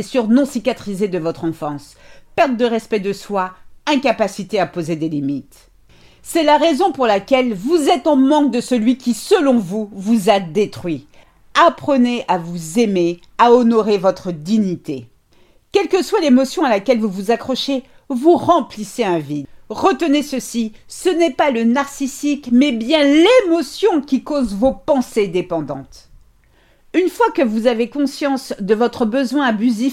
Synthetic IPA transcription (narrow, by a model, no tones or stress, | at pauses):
esyʁnɔ̃sikʲat̪χized̪əvɔt̪χɑ̃fɑ̃spɛʁt̪̚d̪əʁɛspɛd̪əswaɛ̃kapasit̪eapozed̪elimit̪ | sɛlaʁezɔ̃puʁlakʲɛlvuzɛt̪ɑ̃mɑ̃k̚d̪əsəlɥikʲisəlɔ̃vuvuzad̪et̪χɥi | apχəneʔavuzeme | aɔnɔʁevɔt̪χəd̪iɲit̪e | kʲɛlkəswalemɔsjɔ̃alakʲɛlvuvuzakχɔʃe | vuʁɑ̃pliseɛ̃vid̪ʁət̪ənesəsisənɛpalənaʁsisikmɛbjɛ̃lemɔsjɔ̃kʲikozvopɑ̃sed̪epɑ̃d̪ɑ̰̃t̪ | ynfwakəvuzavekɔ̃sjɑ̃sd̪əvɔt̪χəbəzwɛ̃abyzi